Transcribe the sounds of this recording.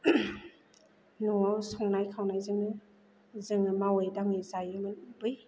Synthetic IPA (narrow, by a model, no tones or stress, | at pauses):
nuŋawsɔŋnajkʰawnajzɯŋɯ | zɯŋɯmawɯjdaŋizajɯmɯnbɯj